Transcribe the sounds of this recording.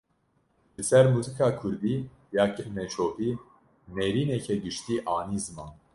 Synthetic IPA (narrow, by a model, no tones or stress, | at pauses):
lɨsɛɾmuzikʰakʰuɾbi | jakɨɾnɛt͡ʃʰoːhi | nɛɾinɛkʰɛɡɨʃt̪iʔɑːnizmɑ